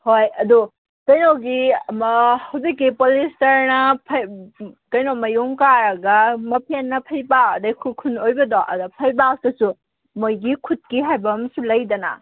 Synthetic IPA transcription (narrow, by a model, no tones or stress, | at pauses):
hojɐdu | kɐjnoɡimɐhɐwzikːipolistɐɾnɐpʰɐjkɐjnomɐjumkaɾɐɡɐmɐpʰenːɐpʰɐjbawɐdɐjkʰukʰunojbɐdoʔɐ̰dɔpʰɐjbak̚tɐsu | mojɡikʰut̚kiɦajbɐmsulɐjdɐnɐ̰